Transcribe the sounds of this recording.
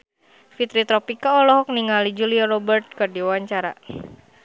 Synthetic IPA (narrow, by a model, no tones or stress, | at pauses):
fit̪ɾit̪ɾɔpikaɔlɔɦɔk̚niŋalid͡ʒuliaɾɔbərt̪̚kardiwaɲt͡ʃaɾa̰